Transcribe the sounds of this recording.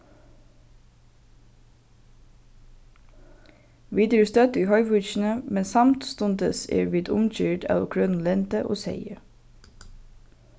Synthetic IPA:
ʋiːd̪əɾəst̪œt̪iːhœʏʋʉːçn̩əmɛnsɑmt̪st̪ʊnd̪əsḛːɾbɪt̪ʊ̰mc͡çyːʈɑ̰ːlo̰kʰɹønn̩lɛnt̪əʔo̰ːsḛɪə

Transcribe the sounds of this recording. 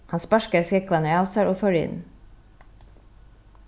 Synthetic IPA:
hɑnspæʃkəskɛkʋɑnəɑʊsəɹʔoːfœɹɪ̰n

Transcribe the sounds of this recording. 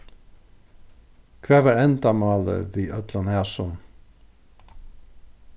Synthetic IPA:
kʰvæːvaːɹɛnt̪amɑːlə̰viːœt̪lanhæːsʊn

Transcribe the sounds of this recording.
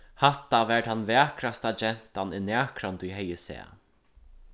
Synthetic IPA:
haht̪ːaʋɛʈhanːvæːkɾast̪ad͡ʒɛn̥t̪anɪnæːkɾant̪ujɦɛjɪsɛ̰ː

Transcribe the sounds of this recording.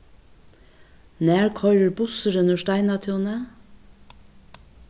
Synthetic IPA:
næːɹkʰɔɾəɹbʊsəɾɵnəʃtæɪnɑt̪ʰuːnə

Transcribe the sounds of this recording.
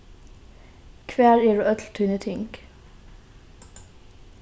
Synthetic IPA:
kʰʋæːɾjiːɖʉːʔœt̪l̩t̪ʰʉːnət̪ʰɪŋk

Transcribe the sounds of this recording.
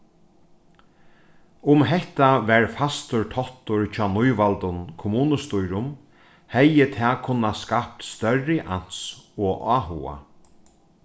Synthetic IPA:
ʊmɦɛht̪aʋɛɹfast̪ʊɹt̪ʰɔht̪ʊɹt͡ʃʰɔːnʊjʋalt̪ʊnkʰʊmuːnəst̪ujɾʊm | hɛjːət̪ʰɛːkʰʊnːaskap̚t̪st̪œrːɪʔan̥sɔːʔaːɦṵːa̰

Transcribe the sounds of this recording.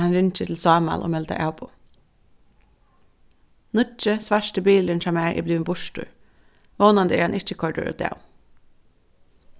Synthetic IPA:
ɑnɾɪnt͡ʃət̪ʰl̩sɑːmɑ̰lʔo̰ːmɛld̪ə̰ʔɑːbʊ | nʊt͡ʃəsʋæʃʈəbiːləɳnc͡çʰɑmeːɹʔḭːblʉːnbʊʃtʉ̰ː | ʋoːnɑnd̪əeːɑnʔɪt͡ʃəkʰɔɖə̰ɾo̰ːd̪ḛːʊ

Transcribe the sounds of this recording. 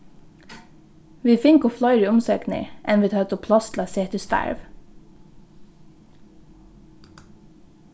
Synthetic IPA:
ʋiːfɪŋkʊflœʏɾiːʊmsøːknɪ̰ʔɛnʋiːt̪ʰɑːt̪ʰʊpʰlɑst̪lɑseːt̪ʰɪst̪æ̰ɹʋ

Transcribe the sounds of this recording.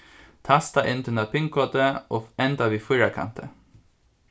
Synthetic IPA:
t̪ʰɑst̪ɑʔɪnt̪ʰʉnɑpʰɪŋkʰɔt̪əʔoːɛnd̪ɑʋiːfɔɾɑkʰɑ̰nt̪ʰə̰

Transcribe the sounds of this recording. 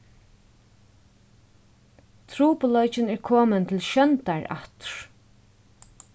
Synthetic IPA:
t̪ʰɾuːpʊlɔt͡ʃɪnɛɹkʰoːmənt̪ʰɪlʃœnt̪aɹa̰ht̪ɹ̥

